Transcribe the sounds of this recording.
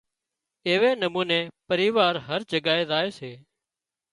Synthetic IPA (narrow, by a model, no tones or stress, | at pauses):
eːʋeːnəmũːneːpəɾiːʋaːɾɦəɾd͡ʒəɠaːeːzaːeːseː